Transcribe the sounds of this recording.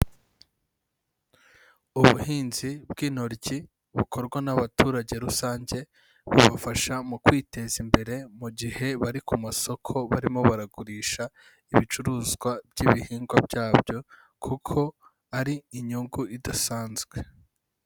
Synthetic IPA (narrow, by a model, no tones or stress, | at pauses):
uβuhiːnzibɡiːnoɾɟi | βukʰo̞ɾɡwanaβatuːɾaɟe̞ɾusaːɲɟe̞ | βuβafaʃamukwiːte̞zimbe̞ɾe̞muɟihe̞βaɾikumaso̞kʰo̞βaɾimo̞βaɾaɡuɾiːʃa | iβit͡ʃuɾuːzɡwabɟiβihiːŋɡwabɟaːbɟo̞ | kʰukʰo̞ | aɾiːɲuŋɡuʔidasaːnzɡwe̞